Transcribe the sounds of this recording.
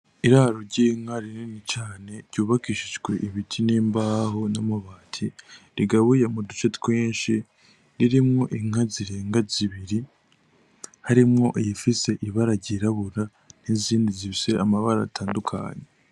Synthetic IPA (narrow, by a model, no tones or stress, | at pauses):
iɾaɾoɾɟiːŋaɾininit͡ʃaːne̞ɾɟuːβakiʃiʒɡwe̞ʔiβitʰineːmbaːɦonomuβaːtʰiɾiɡaβujemudut͡ʃetkweːnʃi | ɾiɾimŋo̞ʔiŋ̥aziɾeːŋɡaziβiɾi | haɾimŋo̞ʔjifise̞ʔiβaɾaɟiɾaβuɾa | n̥iziːndiziβiseamaβaɾaːtʰaːndukʰa̰ːɲe